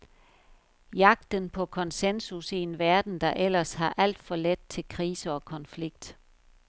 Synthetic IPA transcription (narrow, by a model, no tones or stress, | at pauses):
jɑ̈ɡ̥̚d̥ənpʰɒ̽kʰɒ̽nsensusie̝nʋæɐd̥n̩d̥ɑ̈ʔel̰ɐsɦɑ̈ʔæl̰d̥fɒ̽led̥̚t͡sʰe̝lkʰʁiːsəɒ̽kʰɒ̽nfliɡ̥̚d̥